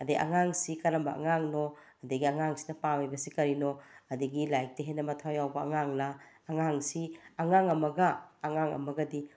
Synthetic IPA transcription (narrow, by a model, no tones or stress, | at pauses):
ɐdiʔa̰ŋaŋsikɐɾɐmbɐa̰ŋaŋnɔ | ɐdiɡiaŋaŋsi̥nɐpawajbɐsikɐɾinɔɐdiɡilajk̚tɐɦenɐmɐtʰajawbɐːŋaŋlaː | ŋaŋsiaŋaŋɐmɐɡɐːŋaŋɐ̰mɐɡɐdi